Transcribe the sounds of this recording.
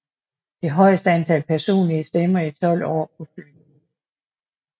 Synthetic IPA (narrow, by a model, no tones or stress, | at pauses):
d̥e̝ɦɒ̽ɪsd̥əænt͡sʰælpʰæɐso̝̰ːnliəsd̥emɐit͡sʰɒ̽l̰ɒ̰ːpʰɒ̽fy̥